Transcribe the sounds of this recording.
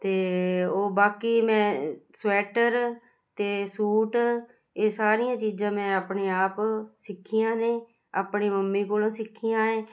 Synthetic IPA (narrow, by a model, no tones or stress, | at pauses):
t̪eːoːbaːkiːmɛ̃ːswɛːʈəɾ | t̪eːsuːʈ | eːsaːɾijãːt͡ʃiːd͡ʒãːmɛ̃ːaːpɳeːaːpsɪkʰːijãːneː | aːpɳiːməmːiːkoːlãːsɪkʰːijãːẽː